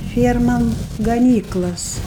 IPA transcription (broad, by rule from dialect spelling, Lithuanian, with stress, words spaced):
ˈfʲiɛrmɐm ɡɐˈnʲiːklˠɐs